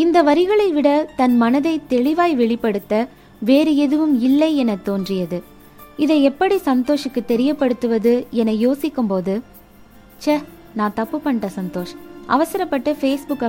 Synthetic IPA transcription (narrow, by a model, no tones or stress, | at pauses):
ɪnd̪ɐʋɐɾɪɣɐɭɐɪʋɪɽɐt̪ɐnmɐnɐðɐɪt̪ɛɭɪʋaːjʋɛɭɪpːɐɽɯt̪ːɐ | ʋeːɾɯɛðɯʋɯmɪlːɐɪɛnɐt̪ːoːndrɪjɐðɯ | ɪðɐɪɛpːɐɽisɐnt̪oːʂɪkːɯt̪ɛɾɪjɐpːɐɽɯt̪ːɯʋɐðɯɛnɐɪjoːsɪkːɯmpoːðɯ | t͡ʃɐ | nãːt̪ɐpːɯpːɐɳʈɐsɐnt̪oːʂʔɐ̰ʋɐsɐɾɐpːɐʈːɐfeːsbʊkːɐ